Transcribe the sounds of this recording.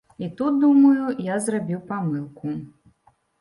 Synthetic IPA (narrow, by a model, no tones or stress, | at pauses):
it̪ut̪̚d̪umɐjujazrabʲiwpamɨlˠku